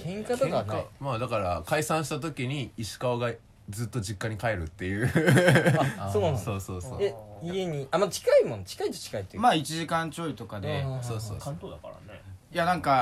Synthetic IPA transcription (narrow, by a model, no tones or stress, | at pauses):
kʰẽŋkat̪akaamaːd̪akaɾakaisãɰ̃ɕi̥t̪at̪o̞kʲiɲ̟iiɕi̥kaoɡa | d͡zɨːt̪ːo̞d͡ʑikːaɲ̟ikaeɾɯ̟t̪ːe̞jɯː | oːnãnsoːso̞ːso̰ːeieɲ̟iʔamat͡ɕi̥kaimõnt͡ɕi̥kait̪o̥t͡ɕi̥kait̪ːemaːit͡ɕiʑikãɲt͡ɕo̞ːit̪o̞kad̪essoːso̰ːkãnt̪oːd̪aka̰ɾa̰nejanãŋka